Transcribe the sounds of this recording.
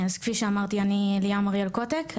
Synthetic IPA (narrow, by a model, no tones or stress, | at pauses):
azkfiʃeamaʁt̪ianiliamaʁjalkot̪ekʰ